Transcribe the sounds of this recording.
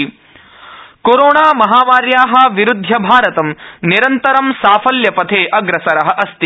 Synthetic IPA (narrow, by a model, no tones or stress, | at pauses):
koɾoːɳaːmɐɦaːmaːɾjaːɦɐ̆ʋiɾud̪ʱːɐbʱaːɾɐt̪ɐmniɾɐnt̪ɐɾɐmsaːfɐljɐpɐt̪ʰeːʔɐɡɾɐsɐɾɐɦɐ̆ʔɐst̪i